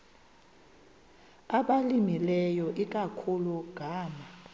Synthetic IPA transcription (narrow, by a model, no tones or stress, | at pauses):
aɓalimilɛjɔʔik̬akʰuluɡ̥ʱaːma